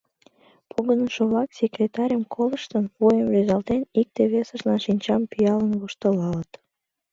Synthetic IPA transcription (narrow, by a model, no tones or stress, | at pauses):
pʰuɣənəʃoβlɑksʲekrʲet̪ɑɾʲəmkʰoləʃt̪ənβujemlezɑlt̪enik̚t̪eβesəʃlɑnʃinʲt͡ɕɑmpyjɑlənβuʃt̪əlɑlət̪